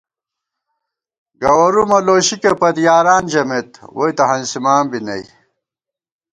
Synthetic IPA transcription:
ɡɐwɐɾumɐloːɕikepɐd̪jaːɾaːnd͡ʑɐmet̪wojt̪ɐɦɐnsimaːmbinɐ̰j

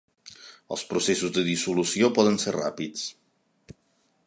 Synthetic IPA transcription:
ə̰lˠspɾusesuzðəðisulusiopɔðənserra̰pit͡s

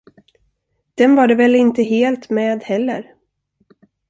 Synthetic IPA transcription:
d̪̥ɛnvaɖɛvɛlːɪnt̪əɦeːlt̪meːd̪hɛlːə̰ɾ

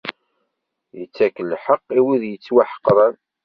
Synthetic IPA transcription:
jət͡sːækːəlːħəqːiwiðjət͡sːwaħə̥qːɾˤæn

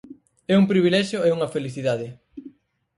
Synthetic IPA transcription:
ɛumpɾiβilɛʃjoeuŋɐfeliθiðaðɪ

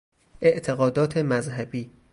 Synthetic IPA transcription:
ʔe̞ʔt̪ʰe̞ɣɒːd̪ɒːt̪ʰemæzɦæbiː

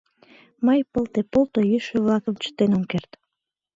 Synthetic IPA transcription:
məjpəlt̪epolt̪ojyʃøβlɑkəmt͡ɕə̥t̪enomkert̪

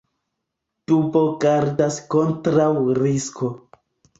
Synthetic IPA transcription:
tubo̞ɡaɾdasko̞ntɾawɾiskʰo

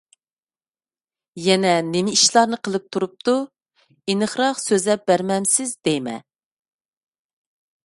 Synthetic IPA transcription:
jɛnɛnɪmɪiʃlˠɑɾnɨqʰəlˠɨp̚t̪ʰuɾup̚t̪ʰu | inɨχɾɑχsøzlɛp̚bæɾmɛmsɪzd̪ejmɛ̰

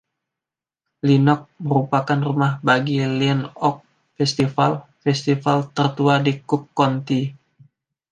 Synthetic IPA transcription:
linɔk̚məɾupakanrumahbaɡilinɔk̚ | fɛst̪ifalfɛst̪ifalt̪ərt̪uadikukːɔnt̪i

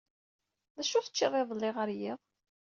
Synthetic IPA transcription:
ðæʃʊθə̥t͡ʃːirˤːeðˤəlːɪʁəɾjiðˤ

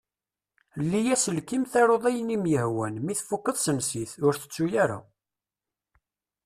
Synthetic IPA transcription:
lːijæsəlkimθɑɾˤoðˤæjənimjəhwænmiθfukːəðˤsənsiθʊɾθə̥t͡sːujaɾa̰

